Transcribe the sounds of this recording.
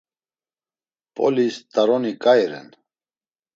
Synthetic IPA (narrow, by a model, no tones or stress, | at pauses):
pʼɔ̰list̪aɾɔnikʼajɾɛ̰n